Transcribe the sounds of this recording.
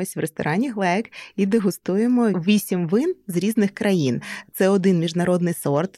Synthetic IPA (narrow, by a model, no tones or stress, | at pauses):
ɔsʲʋrest̪ɔ̰ɾʔɑnʲiɦlˠɛkid̪ɪɦʊst̪ujemɔʋʲisʲimʋɪnzɾʲiznɪxkɾɐjint̪sɛɔd̪ɪnmʲiʒnɐɾɔd̪nɪjsɔrt̪